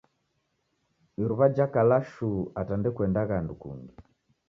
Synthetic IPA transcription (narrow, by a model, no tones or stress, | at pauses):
iɾuβad͡ʒakalaʃuatandɛkwɛndaɣandukṵŋɡi